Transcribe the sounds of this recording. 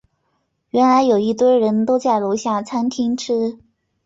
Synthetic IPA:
ɥɛ˧˥nla˧˥ɪjo˨˩ʊi˥˩t̪wə˥˧ɻə˧˥nt̪o˥ʊt͡sa˥˩ɪlo˧˥ɕja˥˩t͡sʰa˥nt̪ʰi˥ŋʈ͡ʂʰɻ̩˥

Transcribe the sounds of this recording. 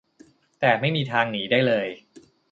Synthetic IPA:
t̪ɛː˨˩ma˥˩jmiː˧t̪ʰaː˧ŋniː˩˦daː˥˩jlɤː˧j

